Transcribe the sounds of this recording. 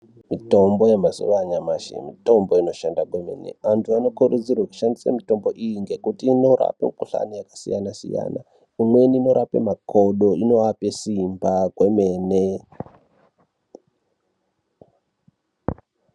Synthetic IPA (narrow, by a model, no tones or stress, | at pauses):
mito̞mbo̞jemasṵʋaɲamaʃḛmito̞mbo̞ino̞ʃandakwe̞me̞̰ne̞̰ʋantʰuano̞kuɾud͡zirwaku̥ʃandisamito̞mbo̞ʔijiŋɡe̞kutiːno̞ɾa̰pemukuɬa̰nijakasḭjanasḭja̰na̰ | imwe̞nino̞ɾapḛmako̞ɗo̞ino̞apesimbakweme̞ːne